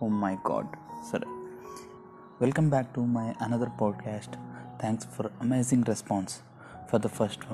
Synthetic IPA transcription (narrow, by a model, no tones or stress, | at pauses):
oːmaɪɡɔ̰ːɖsəɖḛ | ʋɛlkə̃mbæk̚ʈumaɪʔɐnʌd̪əɾpɔːɖ̚kʰæːsʈt̪ʰæ̃ŋksfɔɾɐmeːzɪ̃ŋɡɾɛspɔ̃ːns | fɔɾd̪əfəɾsʈʋ